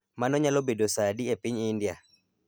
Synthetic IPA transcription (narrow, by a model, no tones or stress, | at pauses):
manɔɲalobedosadiɛpiɲːndia